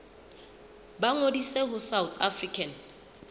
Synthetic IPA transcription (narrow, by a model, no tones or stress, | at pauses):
baŋodiseɦʊsawt̪ʰafrikʰan